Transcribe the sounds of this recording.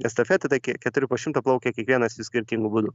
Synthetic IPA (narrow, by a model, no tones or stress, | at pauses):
ɛst̪ɐfʲɛːt̪ɨt̪ɐɪkʲikʲɛt̪ʊɾʲɪpoːʃʲɪmt̪ɐplˠɐʊkʲeːkʲiɛkʋʲiɛnɐsɪsʲkʲɪɾʲt̪ʲiŋɡʊbud̪ʊ